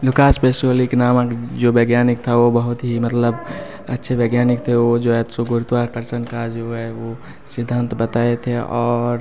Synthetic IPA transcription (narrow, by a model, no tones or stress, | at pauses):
lukaspesioliknamakd͡ʒobeɡjanik̚t̪ʰaobəɦut̪ɦimət̪ləb | ətːʃʰebeɡjaːnikt̪ʰeod͡ʒoɦɛt̪soɡuɾt̪ʋakəɾt͡ʃənkad͡ʒoɦɛʋo | sid̪ʱːənt̪bət̪aet̪ʰeɔːɾ